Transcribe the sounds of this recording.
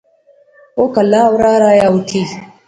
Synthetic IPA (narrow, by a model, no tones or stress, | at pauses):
okalawɾaɾajautʰi